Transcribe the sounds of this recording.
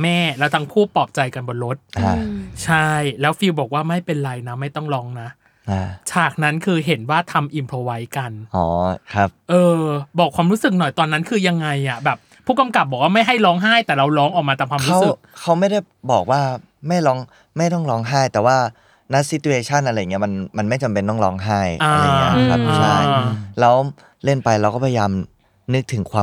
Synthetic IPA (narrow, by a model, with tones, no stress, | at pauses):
mɛː˥˩lɛː˦˥wt̪ʰa˦˥ŋpʰuː˥˩pɔː˨˩p̚t͡ɕa˧jka˧nbɔː˧nɾo˦˥t̪̚ʔa˧˩t͡ɕʰa˥˩jlɛː˦˥wfiː˧wbɔː˨˩k̚waː˥˩ma˥˩jpe˧nɾa˧jna˦˥ma˥˩jt̪ɔ˥˩ŋɾɔː˦˥ŋna˦˥ | ʔaː˧˩t͡ɕʰaː˨˩k̚na˦˥nkʰɯː˧ɦe˩˦nwaː˥˩t̪ʰa˧mʔi˧mpʰɾoː˧wa˦˥jka˧nʔɔ̰ː˩˦kʰa˦˥p̚ʔɤː˧bɔː˨˩kʰwaː˧mɾuː˦˥sɯ˨˩k̚nɔ˨˩jt̪ɔː˧nːa˦˥nkʰɯː˧ja˧ŋːa˧jʔa˨˩bɛː˨˩pʰːuː˥˩ka˧mka˨˩p̚bɔ˨˩k̚waː˥˩ma˥˩jɦa˥˩jlɔː˦˥ŋɦaː˥˩jt̪ɛː˨˩ɾa˧wɾɔː˦˥ŋʔɔ˨˩k̚mː˧t̪a˨˩kʰaː˧ɾu˦a˦˥wsɯ˨kkʰa˦˥wma˥˩jda˥˩j | bɔː˨˩k̚waː˥˩ | ma˥˩jlɔː˦˥ŋ | ma˥˩jt̪ɔ˥˩ŋlɔː˦˥ŋɦaː˥˩jt̪ɛː˨˩waː˥˩ | na˦˥si˦˥t̪u˧eː˧t͡ɕʰa˥˩nʔa˧ɾa˧jːŋi˦˥ma˧nma˧nma˥˩jt͡ɕa˧mpe˧nt̪ɔ˥˩ɾɔː˦˥ŋɦaː˥˩jʔaː˧a˧˨i˦˥kʰa˦˥ʔaː˧a˥˩lɛː˦˥w | le˥˩npa˧jlwkɔː˥˩pʰja˧jaː˧m | nɯ˦˥k̚t̪ʰɯ˩˦ŋkʰwaː˧